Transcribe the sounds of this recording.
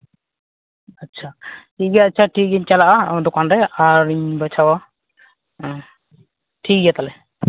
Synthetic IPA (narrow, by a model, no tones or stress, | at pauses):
atːt͡ʃʰaʈiɡɛatːt͡ʃʰaʈʰiɡɛɲt͡ʃalaʔad̪ɔkanɖɛaɾiɲbat͡ʃʰawa | ʈʰiijat̪alɛ